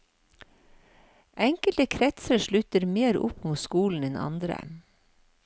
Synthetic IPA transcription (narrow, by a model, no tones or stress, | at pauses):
ʔɛŋkəlt̪əkʰɾɛt̪səʃɭʉt̪əɾmeːɾʊ̰pmuːt̪skuːln̩ɛnʔɑ̰nd̪ɾə̰